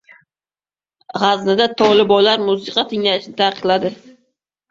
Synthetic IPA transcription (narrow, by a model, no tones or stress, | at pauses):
ʁaznɪd̪at̪ʰɒlɪbɒlaɾmʊsɪqʰɑt̪ʰɪŋlaɪʃɪnɪt̪ʰɑqɨ̥qlˠad̪ɪ